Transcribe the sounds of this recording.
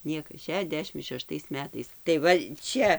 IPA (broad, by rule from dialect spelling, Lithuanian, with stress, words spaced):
ˈnʲiɛkɐs ʃʲɛˈʒʲdʲæːʃʲɪm ʃʲɛˈʃtɐɪs ˈmʲæːtɐɪs tɐɪ ˈʋɐ ˈt͡ʃʲɛ